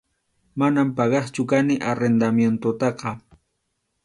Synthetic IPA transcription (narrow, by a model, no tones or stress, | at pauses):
manampɑɢɑχt͡ʃʊkanɪʔaɾend̪amjent̪ot̪ɑqɑ